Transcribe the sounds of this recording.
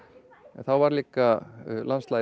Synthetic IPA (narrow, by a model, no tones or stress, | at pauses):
ɛnθawvaɾliːkalʔanst̪la